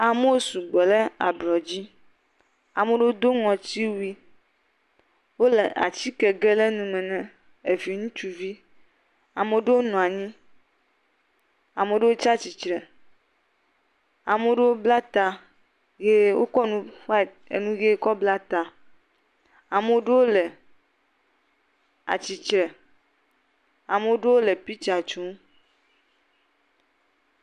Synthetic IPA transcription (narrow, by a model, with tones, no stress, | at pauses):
a˨me˦wo˦su˨ɡ͡bɛ˨lɛ˦a̰˨blɔ˨d͡ʑi˦ | a˨mẽ˦ɖe˦wo˦d̪o˦ŋɔ̃˨t͡ɕi˦wi˦ | wo˦le˨ʔa̰˨t͡ɕi˦kɛ˨ɡɛ˦le˦nũ˨mɛ̃˨nɛ̃˦ | e˨vi˨ŋũ˦t͡ʃu˨vi˦ | a˨me˨˦ɖe˦wo˦nɔ̃˨a˨ɲĩ˦ | a˨me˨˦ɖe˦wo˦t͡ʃa˦t͡ɕi˨t͡ʃɾɛ˨ | a˨me˨o˦ɖe˦wo˦bla˦t̪a˨ | ɡe˦wo˦kɔ˦nũ˦ɸa˦ | ḛ˨nũ˦ɡe˦kɔ˦bla˦t̪a˨ | a˨me˨o˦ɖe˦wo˦le˨ | a̰˨t͡ɕi˨t͡ʃɾɛ˨ | a˨me˨o˦ɖe˦wo˦le˨pi˦t͡ʃa˨t͡ʃũ˨˦